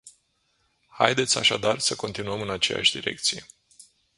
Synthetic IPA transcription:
ha̰jd̪e̞t̪sʲa̰ʃad̪arsəko̞nt̪inuəmɨnat͡ʃe̞ja̰ʃʲd̪iɾe̞̰kt̪sije̞̰

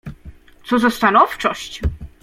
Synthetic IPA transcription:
t̪sɔzɔst̪anɔft͡ʂɔɕt͡ɕ

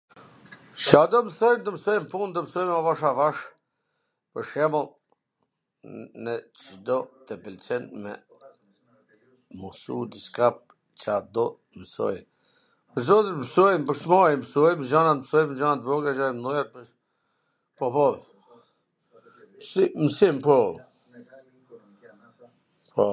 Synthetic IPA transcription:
t͡ʃad̪ɔməsɔjmt̪əmsɔjmpunt̪əmsɔjmavaʃavaʃ | pəɾʃɛmɔlˠ | nɛt͡ʃəd̪ɔt̪ɛpɛlt͡ʃɛnmɛ̰ | musṵd̪iskap̚ | t͡ʃad̪ɔ | məsɔ̰j | pəɾzɔt̪iɾməsɔjmpəɾsmɔjmsujmd͡ʒanat̪msɔjmd͡ʒanat̪̚vɔɡad͡ʒajmnɛɾp | pɔpɔ | simsimpɔ | pɔ

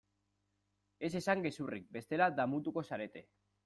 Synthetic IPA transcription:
e̞se̞saŋɡe̞surik̚be̞st̪e̞lad̪amut̪uko̞saɾe̞t̪e̞

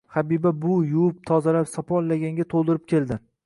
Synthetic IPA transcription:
habibabʊjʊwʊp̚t̪ʰɒzalapsɒpʰɒllːaɡʲaŋɡʲat̪ʰolˠd̪ɪɾɪp̚kʲʰe̞lˠd̪ɪ

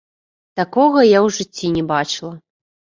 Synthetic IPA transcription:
t̪akɔɣɐjawʐɨt͡sʲːinʲɛbat͡ʂɨlˠɐ

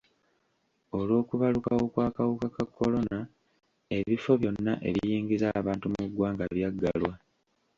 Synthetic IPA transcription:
o̞lwo̞ːkuβalukawokwaːkawukakakːo̞lo̞na | e̞βifo̞βjo̞nːaʔe̞̰βiβjiːŋɡizaβaːntumuɡwaːŋɡaβjaɡːa̰lwa

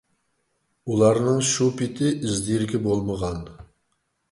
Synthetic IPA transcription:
ulˠɑɾnɨŋʃupɪt̪ʰɪʔɪzd̪ijɾɡʲɛbolˠməʁɑn

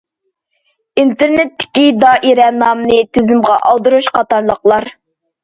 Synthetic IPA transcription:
int̪ʰeɾnɪt̪ʰːɪ̥kʲid̪ɑʔiɾɛnɑmnɨt̪ʰɪzɪmʁɑʔɑlˠd̪uɾuʃqʰɑt̪ɑɾlˠəqlˠɑɾ

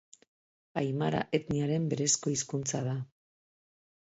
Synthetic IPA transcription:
ajmaɾa̰ʔe̞t̪niaɾe̞mbe̞ɾe̞sko̞iskunt͡sað̞a

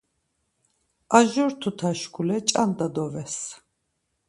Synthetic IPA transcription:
aʒɔɾt̪ʰut̪ʰaʃkʰulɛt͡ʃʼand̪ad̪ɔvɛs

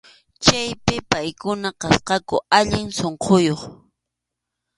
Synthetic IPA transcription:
t͡ʃajpɪpajkʊnaqɑsqɑkʊ̰aʎɪŋsoɴqʰojoχ

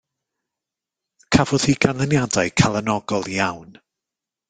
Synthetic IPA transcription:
kʰavɔð̥iɡanlˠənjadajkʰalˠənɔɡɔlˠijawn

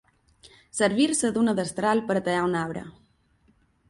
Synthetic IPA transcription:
səɾβiɾsəd̪unəðəst̪ɾalpəɾət̪əʎaunaβɾə̰

